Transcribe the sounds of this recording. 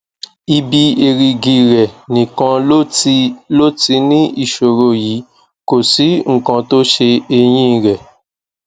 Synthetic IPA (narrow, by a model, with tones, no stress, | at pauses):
i˧bi˧e˧ɾi˧ɡi˧ɾɛ˨nĩ˨kã˧o˦˧lo˦ti˧nĩ˦i˦˨ʃo˨ɾo˧ji˨˦ | ko˨si˨˦ŋ̩˨kã˧to˦ʃe˧e˧j̃ĩ˦˧˨ɾɛ˨